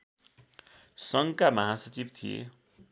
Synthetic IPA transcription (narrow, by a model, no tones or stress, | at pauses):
sʌŋkamʌɦasʌt͡sibt̪ʰijḛ